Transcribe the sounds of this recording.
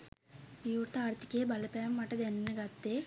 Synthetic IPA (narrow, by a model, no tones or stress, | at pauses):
iuɾt̪aːɾt̪i̥keːbɐlɐpeːɐmːɐʈːɐd̪ennɐɡɐt̪ːe